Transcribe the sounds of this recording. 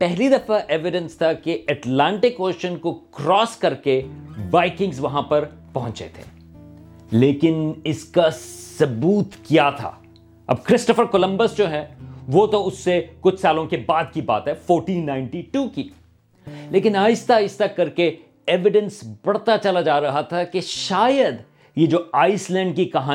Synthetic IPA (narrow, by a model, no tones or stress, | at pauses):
pɛɦlid̪ɐfaʔeːʋɪɖə̃nst̪ʰakeɛʈlãːɳʈɪkoːʃənkokɾɔːskɐɾkeʋaːɪkɪ̃ŋɡzʋɐɦãpɐɾpɐɦʊ̃t͡ʃḛt̪ʰḛ̃ː | leːkɪnɪskasɐbuːt̪kijat̪ʰa̰ː | ɐ̰b̚kɾɪsʈəfəɾkolə̃mbəsd͡ʒoːɦɛʋot̪oʊsːekʊt͡ʃʰsaːlõkebaːd̪kiba̰ːt̪ɦɛfoːɾʈĩːnːãːɪ̃ɳʈiʈuːki | leːkɪnaːɪst̪aːɪst̪akɐɾke | eːʋɪɖə̃nsbɐɽt̪at͡ʃɐlad͡ʒaːɾɐɦat̪ʰakeʃaːjəd̪ | jed͡ʒoːaːɪslɛ̃ːɳɖ̚kikɐɦaː